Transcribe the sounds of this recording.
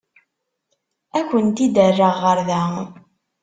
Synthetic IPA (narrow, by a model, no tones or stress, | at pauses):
ækʷːənt̪id̪ərːəʁːəɾðæ